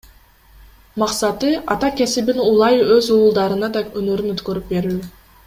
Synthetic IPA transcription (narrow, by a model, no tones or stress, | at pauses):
mɑqsɑt̪ɯɑt̪ɑke̞sibinulˠɑjøzuːlˠd̪ɑɾɯnɑd̪ɑønøɾynøt̪køɾyp̚be̞ɾyː